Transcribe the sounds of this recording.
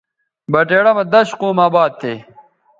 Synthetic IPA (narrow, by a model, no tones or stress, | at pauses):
bɐʈeːɽɐmɐd̪ɐɕquːmaːbaːd̪̚t̪ʰːeː